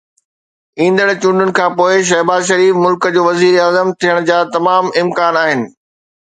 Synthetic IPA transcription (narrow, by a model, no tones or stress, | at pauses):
ĩːn̆d̪əɽt͡ɕʊ̃ːɳɖʱʊnɪ̆kʰãːpoːɪʃ̬ɐɦbaːzʃ̬ɐɾiːfmʊlkəd͡ʑoːʋɐziːɾaːzəmt̪ʰijəɽ̃d͡ʑaːt̪ɐmaːmɪmkaːnaːɦɪnɪ̆